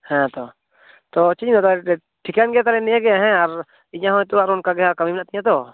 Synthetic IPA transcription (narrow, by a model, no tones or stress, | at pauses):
hɛ̃t̪ɔ | t̪ɔt͡ʃid͡ʒnat̪a | ʈʰikanɡɛjat̪̬aɾɛnɛãɡɛaɦɛ̃aɾ | iɲãɦɔ̃jt̪uaɾɔnkaɡɛɦakəmimɛnaʔt̪iɲãt̪ɔ